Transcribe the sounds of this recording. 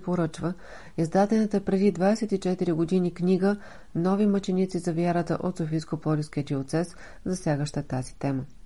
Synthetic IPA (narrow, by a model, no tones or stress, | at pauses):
poɾɤt͡ʃvə | izd̪at̪ɛnət̪əpɾɛd̪id̪vasɛt̪it͡ʃɛt̪iɾiɡod̪inikniɡə | nɔvimət͡ʃɛnʲit̪sizɐvʲjaɾət̪ə̰ʔot̪sofiskopɔlʲifskʲiət̪iot̪sɛs | zɐsʲjaɡəʃt̪ət̪azit̪ɛmə